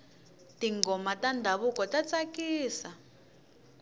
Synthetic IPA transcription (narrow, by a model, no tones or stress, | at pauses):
tiŋɡɔmatandʱaβukɔtat͡sakiːsa